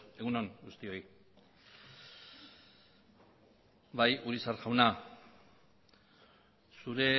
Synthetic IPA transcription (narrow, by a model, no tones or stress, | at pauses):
e̞ɣunoŋɡust̪io̞j | βajuɾisarʝawna | suɾe̞